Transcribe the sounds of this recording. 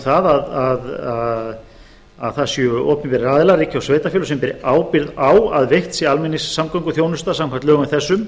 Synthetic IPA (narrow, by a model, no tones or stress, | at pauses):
θaðaðaða | aðθasjʏɔːpnɪpɛɾɪɾaːðɪlaɾiːcʰɪawsveːjt̪afjʏlsɛmpɛɾɪ̰aːwpɪɾðawaðvejht̪sialmɛnːɪsːamkawŋkʏθjownʏst̪asamkʰvan̥t̪lœːɣmɪθɛsːʏm